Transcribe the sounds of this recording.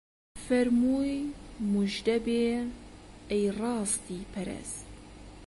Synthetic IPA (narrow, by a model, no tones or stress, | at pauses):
fɛɾmuːjmuʒd̪ɛbeː | ɛjrɑːst̪iːpʰɛɾɛ̰s